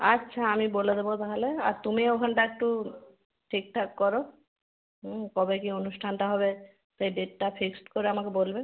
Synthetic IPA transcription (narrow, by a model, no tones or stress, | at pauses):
atːʃʰaamiboled̪ebot̪aɦaleaɾt̪umiokʰɔɳʈaek̚ʈu | ʈʰik̚ʈʰakkɔɾo | ɦkɔbekionusʈʰanʈaɦɔbe | sejɖeʈʈapʰiksʈkoɾeamakebolbe